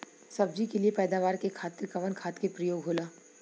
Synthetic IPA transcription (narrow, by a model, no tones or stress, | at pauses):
sɐb̚d͡ʒikeliepɛːd̪aːʋaːɾkekʰaːt̪ɪɾkɐʋənkʰaːt̪kepɾɐjoːɡɦoːlaː